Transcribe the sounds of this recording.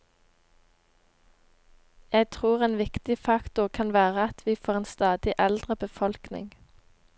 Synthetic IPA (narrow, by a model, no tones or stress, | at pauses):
jæɪt̪ʰʁuːʁeːnʋɪkt̪ɪfɑkt̪ʊʁkʰɑnʋæːʁəɑt̪ʰʋiːfoːʁeːnst̪ɑːd̪ɪʔɛld̪ʁəbəfɔlknɪ̰ŋ